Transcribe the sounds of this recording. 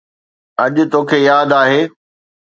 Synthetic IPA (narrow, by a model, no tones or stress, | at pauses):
ɐʄʊ̆t̪oːkʰeːjaːd̪aːɦeː